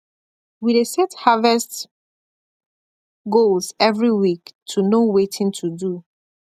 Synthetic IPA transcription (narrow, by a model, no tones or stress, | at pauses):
widesɛthavɛst | ɡolzɛvɹiwiktʰunowetʰĩntʰudu